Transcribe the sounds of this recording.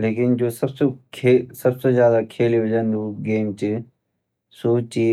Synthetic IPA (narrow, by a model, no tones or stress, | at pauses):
leːkɪnd͡ʒoːsɐbsekʰeːsɐbsezjaːd̪akʰeːliɦʊd͡ʒənuɡeːmt͡ʃi | suːt͡ʃi